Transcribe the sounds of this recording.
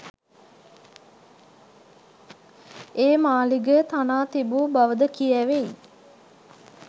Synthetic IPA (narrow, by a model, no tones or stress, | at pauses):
eːmaːliɡət̪anaːt̪ibubaʋəd̪əkiæʋej